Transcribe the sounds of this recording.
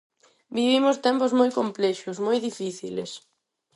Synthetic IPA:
biβ̞imʊst̪ɛmpʊzmojkomplɛʃʊsmojðifiθḭlḛs

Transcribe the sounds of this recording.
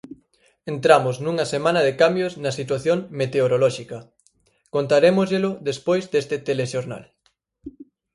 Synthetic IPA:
ent̪ɾamʊznuŋɐsemãnɐðekambjoznɐsit̪waθjoŋmet̪eoɾolɔʃikɐ | kont̪aɾemʊzʎelʊðespojzd̪est̪ɪt̪eleʃoɾna̰l

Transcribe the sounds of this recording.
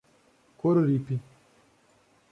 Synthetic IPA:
koɾɾipi

